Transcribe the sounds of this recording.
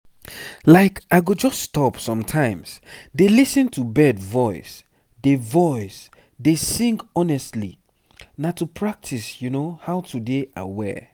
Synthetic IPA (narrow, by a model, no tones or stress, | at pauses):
laɪkaɪɡod͡ʒɔstɔpsɔ̃mtʰãɪ̃msdelisɨ̃ntʰubɛdvɔɪs | devɔɪs | desĩŋkɔnɛstlḭ | natupʰɹak̚tʰisjunohaʊtʰudeʔa̰ɪwɛ̰